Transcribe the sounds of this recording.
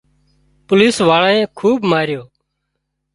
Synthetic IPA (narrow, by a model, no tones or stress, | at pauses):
pʊliːsʋaːɭãːẽːkʰuːbmaːɾjoː